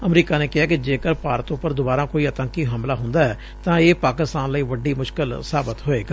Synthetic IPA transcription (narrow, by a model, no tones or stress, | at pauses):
əmɾiːkaːneːkɪɦaːkɪd͡ʒeːkəɾpʰaːɾət̪ʊpːəɾd̪ʊbaːɾãːkoːiːət̪ə̃ŋkiːɦəmlaːɦʊnd̪aːɛː | t̪ãːeːpaːkɪst̪aːnləiːʋəɖiːmʊʃkɪlsaːbət̪ɦoːeːɡaː